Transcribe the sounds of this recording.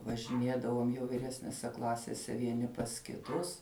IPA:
ʋɐʒʲɪˈnʲeːdɐʋoːm jɛʊ ʋʲɪˈrʲæːsʲnʲɛsʲɛ ˈklˠɑːsʲeːsʲɛ ʋʲiɛˈnʲɪ pɐs kʲɪˈtʊs

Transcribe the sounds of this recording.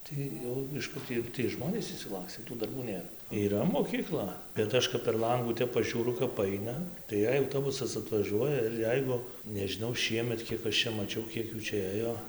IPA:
tɐɪ ˈjɛʊ ɪʃ ˈkʊr tʲɪ jɛʊ tʲiɛj ˈʒmoːnʲeːs ɪʃʲsʲɪˈlˠɑːksʲtʲeː tuː dɐrˈbuː ˈnʲeːr iːˈrɐ moːkʲiːˈklˠɐ bʲɛt ˈɐʃ kɐp pʲɛr ˈlˠɐŋɡuː ˈtʲɛp pɐʒʲuːˈrʊ kɐp ˈɐɪnɐ tɐɪ ˈjɛɪ ɐʊtoːˈbʊsɐs ɐtʋɐˈʒʲuɔjɛ ɪr ˈjɛɪɡʊ nʲɛʒʲɪˈnɐʊ ˈʃʲiɛmʲɛt ˈkʲiɛk ɐʃ ˈt͡ʃʲɛ mɐˈt͡ʃʲɛʊ ˈkʲiɛk ˈjuː ˈt͡ʃʲɛ ˈeːjoː

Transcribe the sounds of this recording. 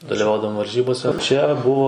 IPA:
dɐlʲɪˈʋɐʊdɐʋoːm ʋɐrʲˈʒʲiːboːsʲɛ t͡ʃʲɛ ˈbʊʋoː

